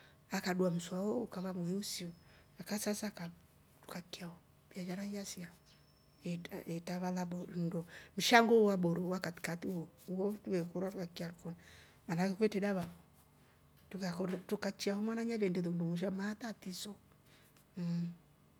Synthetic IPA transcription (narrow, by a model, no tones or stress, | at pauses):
akaɗuam̩swawɔukaβamuɛusiɔ | akasasaka | tu̥kakiaɔ | bjad͡ʒaɾaiasia | ɛaɛtaβalabɔndɔm̩ʃaŋɡɔwaɓɔɾɔwakati̥katiwɔuɔtuβɛkɔɾwatukakiaɾukɔn | manakɛkwɛtɛdaβaβɔ | tukakɔtukat͡ʃiahɔmanaɲaβɛndɛðɔundɔmuʃ̬amat̪atisɔ